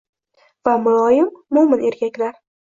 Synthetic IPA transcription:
vamʊlˠɒjɪmːʊmɪne̞ɾkʲʰakʲlaɾ

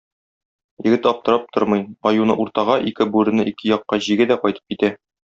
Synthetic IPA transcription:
jɘ̆ɡɘt̪ɒp̚t̪ɤ̆ɾɑp̚t̪ʰoɾmɤjɒjunɤ̰ʔuɾt̪ɑʁɑʔikɘbʉɾɘ̆nɤʔikɘjɒqːɑʑiɡɘd̪æqɒjt̪ɤ̥p̚kit̪æ

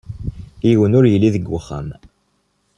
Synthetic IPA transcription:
ijwənʊɾjəlːiðəɡːəχə̰m

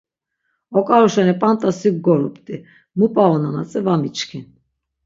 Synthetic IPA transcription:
ɔkʼaɾuʃɛnipʼant̪ʼasiɡ̚ɡɔɾupʼt̪ʼi | mupʼaɔnanat͡sʼɛvamit͡ʃkʰin

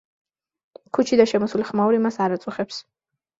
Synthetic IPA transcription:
kʰut͡ʃʰid̪aʃɛmɔsuliχmauɾimasaɾat̪sʼuχɛps

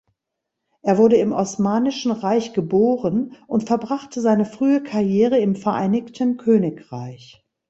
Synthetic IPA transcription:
ʔeːɐvʊɐɾəɪmɔsmaːnɪʃn̩ʁaɪçɡ̥əboːʁənʔʊntfɛɐbʁaχtəzaɪnəfʁ̥yːəkʰaɐjeːʁəɪmfɛɐʔaɪnɪçtʰnkʰøːnɪkʁ̥aɪç

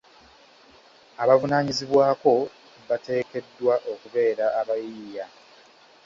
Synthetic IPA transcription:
aβavunaːɲiziβwaːko̞ | βate̞ːke̞dːwaʔo̞kuve̞ːɾaːβajiːja

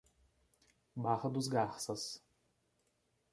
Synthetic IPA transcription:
baʁɐd̪ʊz̬ɡaχsɐs

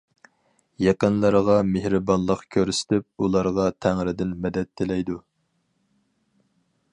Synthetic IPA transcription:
jeqənlˠɑɾʁɑmehɾɨbɑnlˠəqkʲʰøɾysɪ̥t̪ʰɪp̚ulˠɑɾʁɑt̪ʰæŋɾɪd̪ɪnmɛd̪ɛt̪ʰːɪlɛjd̪u

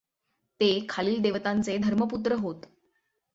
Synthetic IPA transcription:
t̪ekʰaliːld̪eʋət̪ãnt͡sed̪ʱəɾməput̪ɾəɦot̪

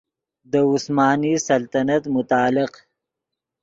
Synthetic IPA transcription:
d̪əʊsmɑːnisɐlt̪anat̪mʊt̪ɑːlɪq

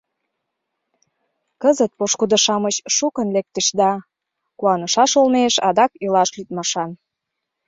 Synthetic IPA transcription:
kəzət̪̚poʃkud̪ə̆ʃɑmət͡ɕʃukə̆nlek̚t̪ə̆ʃd̪ɑ | kuɑnəʃɑʃolneʃɑd̪ɑkilɑʃlyt̪̚mɑʃɑn

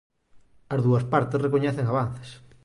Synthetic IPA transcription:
ɐzðuɐspaɾt̪esrekoɲɛθeŋaβ̞an̟θe̥s

